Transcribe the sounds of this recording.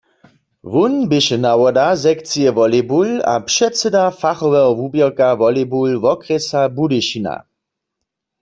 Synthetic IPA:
vunbɪʃɛnawɔdazɛkt͡sijɛvɔlebula̰pʃɛtt͡sɛdafaχɔvɛɦɔvubjɛʁkavɔlebulvɔkʁɛsabudɪʃina̰

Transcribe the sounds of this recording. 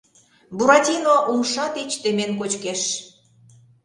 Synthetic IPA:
buɾɑt̪ʲinoʔumʃɑt̪it͡ɕt̪ĕmenkot͡ɕkeʃ

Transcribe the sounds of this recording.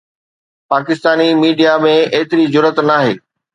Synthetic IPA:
paːkɪst̪aːnimiːɖijamẽeːt̪ɪɾizʊɾət̪naːɦeː

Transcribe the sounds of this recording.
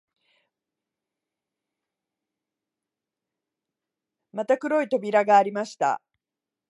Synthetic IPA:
mat̪akɯ̟ɾo̞it̪o̞bʲiɾaɡaːɾʲimaɕi̥t̪a̰

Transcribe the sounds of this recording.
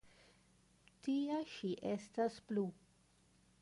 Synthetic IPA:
tiaʃiʔe̞stasplu

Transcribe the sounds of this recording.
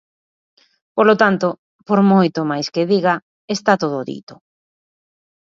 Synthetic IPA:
polot̪ant̪o | poɾmojt̪omajskeðiɣa | est̪at̪oðoðḭt̪o̥

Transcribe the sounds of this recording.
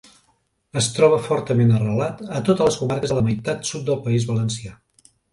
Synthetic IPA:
əst̪ɾɔβ̞əfɔɾt̪əmenərəlat̪ət̪ot̪ələskumaɾkəzələməjt̪at̪sut̪̚d̪əlˠpəizβələnsia

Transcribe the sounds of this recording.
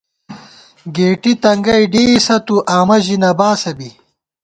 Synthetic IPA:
ɡeːʈit̪ɐŋɡɐjɖeːsɐt̪uʔaːmɐʑinɐbaːsɐbi

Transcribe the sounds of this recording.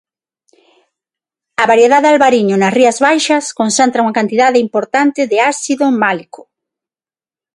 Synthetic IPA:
ɐβaɾjeðaðealβaɾiɲʊnɐsriɐzβajʃɐskonθent̪ɾauŋɐkant̪iðaðɪimpoɾt̪ant̪ɪðɪasiðomalikʊ̥

